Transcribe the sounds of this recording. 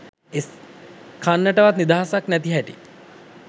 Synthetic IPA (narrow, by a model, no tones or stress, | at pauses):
eskʰanːəʈəʋat̪nid̪aɦasaknæt̪iɦæʈḭ